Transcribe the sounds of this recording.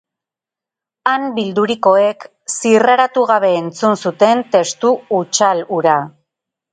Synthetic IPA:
ambild̪uɾiko̞e̞k | siraɾat̪uɣaβ̞e̞ːnt͡sunsut̪e̞nt̪e̞st̪uːt͡ʃaluɾa

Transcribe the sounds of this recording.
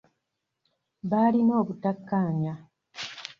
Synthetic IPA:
βalino̞ːβutakːaːɲa

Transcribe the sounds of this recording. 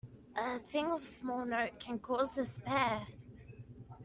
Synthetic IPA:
ʔəθɪ̃ŋəv̥smɔlˠnəʊʔ̚kʰə̃nkʰɔːzðəspɛː

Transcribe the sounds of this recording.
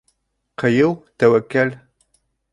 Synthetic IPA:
qʰɐjɪwtʰɐwɐkːɐl

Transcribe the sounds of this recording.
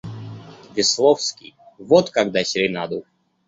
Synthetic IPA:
vʲɪslˠofskʲḭj | vɔt̪kaɡd̪asʲɾʲɪnad̪u

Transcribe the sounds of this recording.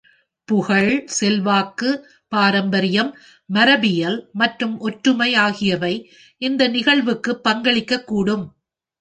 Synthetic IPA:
pʊɣɐɭsɛlʋaːkːɯ | paːɾɐmbɐɾɪjɐmː | ɐɾɐbɪjɐlmɐʈrɯmʔɔʈɾɯmɐɪaːɣɪjɐʋɐɪ | ʔɪnd̪ɐnɪɣɐɭʋɯkːɯpːɐŋɡɐɭɪkːɐkːuːɽɯm

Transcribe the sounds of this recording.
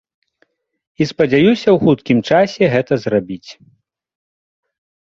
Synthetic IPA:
ispɐd͡zʲajusʲɐwxut̪kʲimt͡ʂasʲɛɣɛt̪ɐzrabʲit͡sʲ

